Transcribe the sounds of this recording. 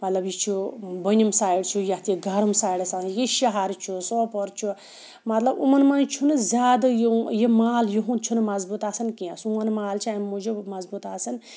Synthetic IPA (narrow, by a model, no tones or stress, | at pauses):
mɐt̪lɐbjit͡ʃʰubənʲumsaːjiɽt͡ʃʰujɐt̪iɡʱɐɾumsaːiɽɐsãjiʃɐɦaɾt͡ʃʰusɔːpɔɾt͡ʃʰu | mɐt̪lɐbṵmɐnmɐnt͡ʃʰunɨzʲaːd̪ɐjjemaːljiɦunt͡ʃʰunɨmɐzbut̪aːsɐnkiasumɐnmaːlt͡ʃʰiamud͡ʒumɐzbut̪aːsɐn